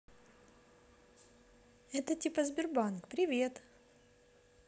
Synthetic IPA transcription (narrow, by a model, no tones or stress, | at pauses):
ɛt̪ətʲipəzbʲɪrbankpɾʲɪvʲe̞t̪